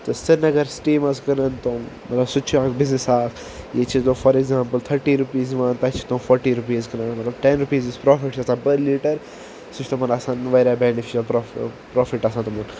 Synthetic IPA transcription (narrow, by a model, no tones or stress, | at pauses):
t̪ɐsɐnɐɡɐɾsʈiːmɐzkɐɾɐnt̪omɐt̪lɐbsʊt͡ʃʰuaːkbɪznɪsaːkʰ | jet͡ʃʰit̪õːfɐɾeɡzãːmpəlt̪ʰɐɾʈiːɾupiːzʋaːnt̪ɐt͡ʃʰi̥t̪õːfʰɔːɾʈiːɾupiːzkɐɾãːnmɐt̪lɐbʈenɾupiːzɪspɾoːfɪʈʰɐsãːbɐɾliːʈɐɾ | sʊt͡ʃʰt̪omɐnɐsãːnʋɐɾaːbeːnɪfiʃɐlpɾopɾoːfɪʈɐsãːt̪umɐn